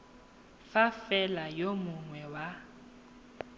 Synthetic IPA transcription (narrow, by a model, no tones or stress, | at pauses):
fafɛlajomʊŋwɛwa